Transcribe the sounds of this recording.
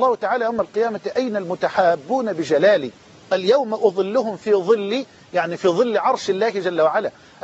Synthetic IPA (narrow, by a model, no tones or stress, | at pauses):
lˤːɑːhʊt̪aʕaːlajawmalqɨjaːmaʔajnalmʊt̪aħaːbːuːnabɪd͡ʒalaːliː | ʔaljawmʔɑðˤɨlːʊɦʊmfiːðˤɨlːi | jaʕnifiːðˤɨlːʕɑɾˤʃɪlːaːhɪd͡ʒalːawaʕalaː | ʔ